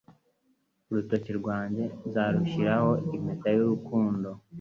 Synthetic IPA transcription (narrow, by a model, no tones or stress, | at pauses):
uɾutociɾɡwaːɲɟe̞zaɾuʃiɾaho̞im̥etajuɾukuːndo̞